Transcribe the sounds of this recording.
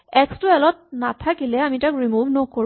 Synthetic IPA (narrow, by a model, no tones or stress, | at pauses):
ɛkstʊɛlɔt̚natʰakilɛamitakɹimuvnɔkoɹ